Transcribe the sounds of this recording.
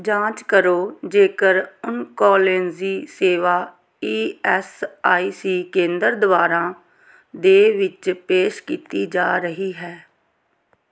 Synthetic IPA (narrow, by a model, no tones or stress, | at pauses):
d͡ʒãːt͡ʃkəɾoːd͡ʒeːkəɾʊnkɔːlenziːseːʋaː | iːɛːsaːiːsiːkẽːnd̪əɾd̪əʋaːɾãː | d̪eːʋɪt͡ʃpeːʃkiːt̪iːd͡ʒaːɾəɦiːɦɛː